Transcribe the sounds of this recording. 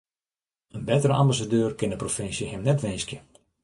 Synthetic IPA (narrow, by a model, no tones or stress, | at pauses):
ənbɛtəɾəãmbas̬adøːrkɪndəprofɪnsjəhɪmnɛtʋɪnskjə